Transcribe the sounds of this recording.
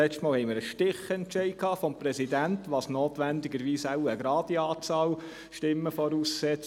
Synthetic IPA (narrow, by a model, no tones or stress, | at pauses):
ɛstmɑːlhɛɪmɪɾəʃtɪχəɛnt͡ʃɛɪkʰɑːfɔmpɾɛsidæntʋɑːsnoːt̪ʋænd̪ɪɡəɾʋiːsaʊəɡɾɑːdiɑːt͡sɑːl | ʃtɪmːəfɔɾuːssɛt͡s